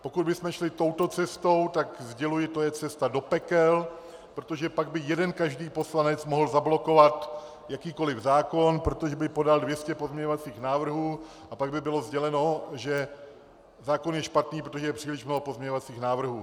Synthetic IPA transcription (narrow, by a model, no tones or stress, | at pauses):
po̞kud̪̚bɪsmɛʃlɪt̪o̞wt̪o̞t͡sɛst̪o̞wt̪akzɟɛlujɪt̪ojɛt͡sɛst̪ado̞pɛkɛl | pɾo̞t̪o̞ʒɛpaɡ̚bɪjɛdɛnkaʒdiːpo̞slanɛt͡smo̞ɦl̩zablo̞ko̞vat̪ | jakiːko̞lɪvzaːko̞npɾo̞t̪oʒɛbɪpo̞daldvjɛscɛpo̞zɲɛɲovat͡siːxnaːvr̩ɦuː | ʔapaɡbɪbɪlo̞zɟɛlɛno̞ʒɛ | zaːko̞njɛʃpat̪niːpɾot̪oʒɛjɛpr̥iːlɪʃmnoɦopo̞zmɲɛɲovat͡siːxnaːvr̩ɦuː